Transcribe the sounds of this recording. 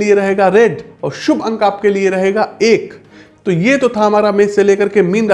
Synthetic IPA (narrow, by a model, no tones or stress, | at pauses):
lieɾɐɦeːɡaɾeɖɔːɾʃʊbʱɐ̃ŋkaːp̚kelieɾɐɦeːɡaeːk | t̪ojeːt̪ot̪ʰaɦɐmaːɾameːseleːkɐɾkemiːnɾ